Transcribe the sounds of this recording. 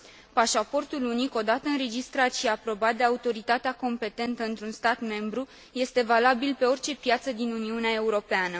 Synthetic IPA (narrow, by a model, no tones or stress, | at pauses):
paʃapo̞rt̪uluniko̞d̪at̪əɨnɾe̞d͡ʒist̪ɾat̪ʃiapɾo̞bat̪̚d̪e̞aut̪o̞ɾit̪at̪eako̞mpe̞t̪e̞nt̪əɨnt̪ɾunst̪at̪me̞mbɾu | je̞st̪e̞valabilpe̞o̞rʲt͡ʃe̞pjat̪səd̪inuniuneae̞uɾo̞peanə